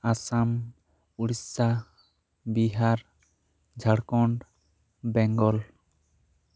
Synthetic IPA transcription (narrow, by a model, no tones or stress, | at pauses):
asam | uɽisa | biɦaɾ | d͡ʒʱaɽkɔɳɖ | bɛŋɡɔl